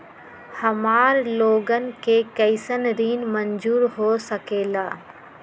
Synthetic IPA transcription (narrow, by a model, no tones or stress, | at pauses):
hɐmaːɾloːɡən̆kekɐɪsənɾiːnmənd͡ʒuːɾɦoːsəkeːlaː